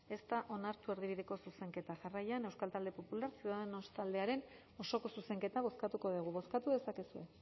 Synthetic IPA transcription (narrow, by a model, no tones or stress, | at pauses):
e̞st̪aʔo̞naɾt̪ue̞ɾðiβiðe̞ko̞suse̞ŋke̞t̪aʝarajanewskalt̪ald̪e̞po̞pulaɾsiuðaðeno̞st̪ald̪e̞aɾe̞n | o̞so̞ko̞suse̞ŋke̞t̪aβ̞o̞skat̪uko̞ðiɣ̞uβo̞skat̪uðe̞sake̞sue̞